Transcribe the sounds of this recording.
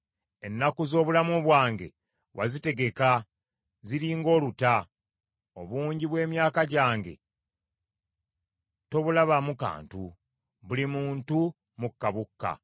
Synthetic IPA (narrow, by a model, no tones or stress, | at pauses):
e̞nːakuzo̞ːβulamuβwaːŋɡe̞̰ | wʔa̰zite̞ɡe̞ka | ziɾiːŋɡo̞ːluta | o̞̰βuːɲɟiβwe̞ːmjaːkaɟaːŋɡe̞̰ | to̞βulaβamuka̰ːntu | βulimuːntu | mukːaβukːa̰